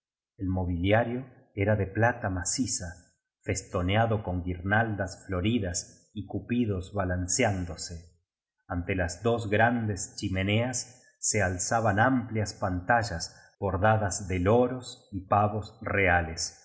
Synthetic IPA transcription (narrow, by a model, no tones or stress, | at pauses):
elmo̞β̞iljaɾjo̞ | eɾaðe̞plat̪amasisa | fe̞st̪o̞njaðo̞ko̞ŋɡiɾnald̪asflo̞ɾiðas | ikupiðo̞zβalansjand̪o̞se | ant̪elazðo̞z̬ɣɾand̪e̞st͡ʃimeneasː | ealsaβanampljaspant̪aʒas | b̥o̞ɾðaðazðeloɾo̞sipaβo̞sreales